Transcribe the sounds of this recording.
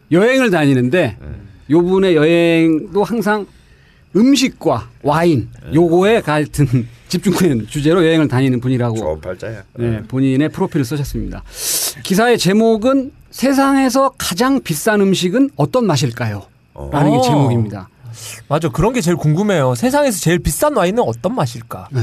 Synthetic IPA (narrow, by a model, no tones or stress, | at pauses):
jʌɦe̞ŋɯɭtaɲinɯnde̞jobune̞jʌɦeŋdohaŋs̬ʰaŋ | ɯmɕ̬ʰik̚k͈wawainjoɡoe̞kaɭtʰɯnt͡ɕip̚t͡ɕ͈uŋkʰeɯnt͡ɕud͡ʑe̞ɾojʌɦeŋɯɭtaɲinɯnpuɲiɾaɡo | ne̞poɲine̞pʰɯɾopʰiɾɯɭs͈ʌɕʰʌs͈ɯmɲida̰kisʰae̞t͡ɕe̞moɡɯnsʰe̞s̬ʰaŋe̞sʰʌkad͡ʑaŋpis͈anɯmɕʰiɡɯnʌt͈ʌnmaɕ̬ʰiɭk͈ajo | ɾanɯnɡet͡ɕe̞moɡimɲida̰mad͡ʑokɯɾʌnɡe̞t͡ɕeɭkuŋɡume̞josʰe̞s̬ʰaŋe̞sʰʌt͡ɕe̞ɭpis͈anwainɯnʌt͈ʌnmaɕʰiɭk͈a